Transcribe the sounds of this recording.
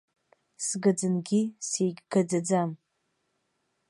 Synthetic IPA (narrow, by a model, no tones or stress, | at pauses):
sɡad͡zɨnɡʲisejɡʲɡad͡zad͡zam